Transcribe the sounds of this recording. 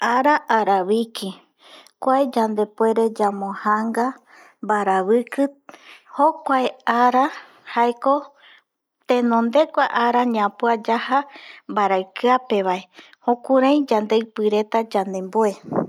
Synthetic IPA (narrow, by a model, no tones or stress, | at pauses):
aɾaʔaɾaβikʰi | kʷaed͡ʒand̪e̞poe̞ɾe̞d͡ʒamõhaŋɡa | mbaɾaβɨkɨhokʷaeaɾa | haeko̞ | t̪ẽ̞nõnd̪e̞kʷaʔaɾaɲãpoad͡ʒahambaɾaɨkɨape̞βae | hõkuɾãj̃d͡ʒand̪eɨpɨɾe̞t̪ad͡ʒand̪e̞mboe̞